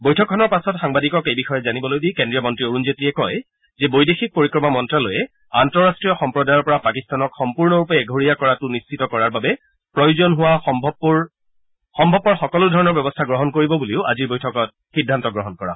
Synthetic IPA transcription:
bojtʰɔkʰːɔnɔɹpasɔtxaŋbadikɔkejbixɔjɛzanibɔlojdikɛndɹijɔmɔntɹioɹunzetɹiɛkɔj | zɛbojdexik̚poɹikɹɔmamɔntɹalojɛ | antɔɹastɹijɔxɔmpɹɔdajɔɹpɔɹapakistanɔkxɔmpuɹnɔɹupɛɡʱoɹijakɔɹatʊnist͡ʃʰitɔkɔɹaɹbabɛ | pɹɔjuzɔnɦʊwaɔbb | xɔmbʱɔbːɔɹxɔkɔlʊdʱɔɹɔnɔɹbɛbɔstʰaɡɹɔɦɔnkoɹibɔbuliʊʔa̰ziɹbojtʰɔkɔt̚ | xidʱːantɔɡɹɔɦɔnkɔɹa̰

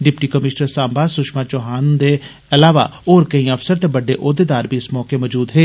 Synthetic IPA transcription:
ɖɪpʈiːkəmɪʃnəɾsãːmbaːsʊʃmaːt͡ʃoːɦaːnd̪eː | ɐlaːʋa̰ːoːɾkəĩːəfsəɾt̪ebəɖeːʔoːd̪eːd̪aːɾbʱiːɪsmɔːkeːmɔd͡ʒuːd̪ɦeː

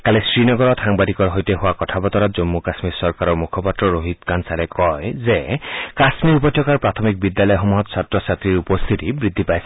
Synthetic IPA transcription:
kalisɹinɔɡɔɹɔtʰaŋbadikɔɹɦojteɦowakɔtʰabɔt̪ɔɾazomːukasmiɾsɔɹkaɾɔɹmukʰɔpatɹɔɹoɦit̪kansaɾɛkɔjzekasmiɹupɔt̪ʰːɔkaɹpɹat̪ʰɔmik̚bid̪ːjalɔjɦɔmuɦɔt̪sat̪ɹɔsat̪ɹiɹupɔst̪ʰit̪ibɹid̪ʱːipajs

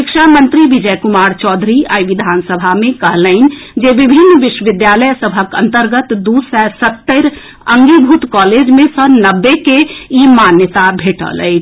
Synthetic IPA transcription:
ɪkʃamənt̪ɾiʋid͡ʒəjkumaːɾt͡ʃɔːd̪ʱɾia̰ːjʋid̪ʱansəbʱamẽkəɦləɪn̆d͡ʒeʋibʱinːʋɪʃwəʋɪd̪jaləjsəbʱəkə̰̃nt̪əɾɡət̪d̪usɛɾsət̪ːəɾ | əŋɡibʱut̪kɔːled͡ʒmẽsənəbːekeimanjət̪abʱeːʈə̰lə̰ɪt͡ʃʰ

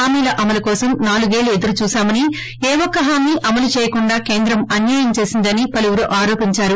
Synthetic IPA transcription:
aːmiːlɐʔɐmɐlɐkɔːsɐmnaːluɡeːlued̪ɐɾut͡ʃuːsaːmɐni | eːʋɔkːɐɦaːmiːʔɐmɐlut͡ʃɛːjɐkuɳɖaːke̞ːnd̪ɾɐmɐnjaːjɐmt͡ʃeːsind̪ɐnipɐluʋuɾuʔaːɾo̞ːpiɲt͡ʃaːɾu

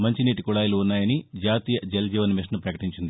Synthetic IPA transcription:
mɐɲt͡ʃiniːʈikuɭaːjɐluːnːaːjɐnid͡ʒaːt̪iːjɐd͡ʒeld͡ʒiːʋɐnmiʂnɐpɾɐkɐ̥ʈiɲt͡ʃind̪i

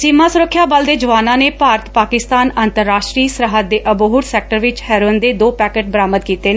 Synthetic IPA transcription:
sɪmãːsʊɾəkʰːjaːbəld̪eːd͡ʒəʋaːnãːneːpaːɾət̪paːkɪst̪aːnənt̪əɾːaːʃʈɾiːsɾəɦəd̪̚eːʔəboɦʊʈsɛːk̚ʈəɾʋɪt͡ʃhɛːɾoːnd̪eːd̪oːpɛːkeːʈ̚bəɾaːmət̪kiːt̪eːnː

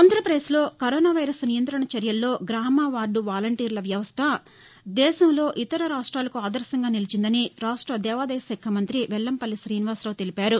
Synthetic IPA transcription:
ɐːnt̪ɾɐpɾeːslo̞ːkɐɾoːnaːʋɐjɾɐsnijɐnt̪ɾɐɳɐt͡ʃɐɾjɐlːo̞ːɡɾaːmaːʋaːɾɖuʋaːlɐɳʈiːɾlɐʋjɐʋɐst̪ʰɐ | d̪ɛːʃɐmlo̞ːʔit̪ɐɾɐɾaːʂʈɾaːlɐkuaːd̪ɐɾsɐŋɡaːnilit͡ʃind̪ɐniɾaːʂʈɾɐd̪ɛːʋaːd̪ɐjɐsɛkʰːɐmɐnt̪ɾiʋɛlːɐmpɐlːisɾiːnʋaːɾsɾɐʋt̪elipaːɾu

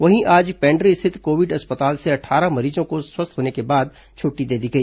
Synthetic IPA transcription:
ʋɐɦĩʔaːd͡ʒpɛ̃ːɳɖɾist̪ʰɪt̪koːʋɪɖɐspət̪aːlseɐʈʰaːɾamɐɾiːzõkoswɐst̪ʰɦoːnekebaːd̪̚ | t͡ʃʰʊːʈːid̪eːd̪iɡɐiː

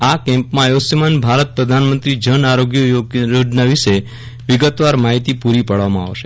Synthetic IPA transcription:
akɛ̃mpmãjosjəmanbʱaɾət̪̚pɾəd̪ʱanmə̃nt̪ɾid͡ʒənaɾoɡjəooɖnaʋiʃe | ʋɪɡət̪ʋaɾmaɦit̪ipuɾipəɽʋamãa̰ʋʃe̥

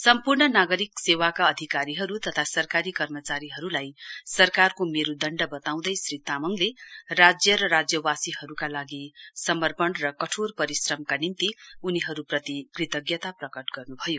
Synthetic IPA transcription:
sʌmpurnʌnaɡʌɾiksewakaʌd̪ʱikaɾiɦʌɾut̪ʌt̪ʰasʌrkaɾikʌrmʌt͡saɾiɦʌɾulajsʌrkarkomeɾud̪ʌɳɖʌbʌt̪aw̃d̪ʌjsrit̪amʌŋlerad͡zjʌɾʌɾad͡zjʌwasiɦʌɾukalaɡisʌmʌrpʌnrʌkʌʈʰorpʌɾisrʌmkanint̪iuniɦʌɾuprʌt̪ikrit̪ʌɡjʌt̪aprʌkʌʈɡʌrnubʱʌjo

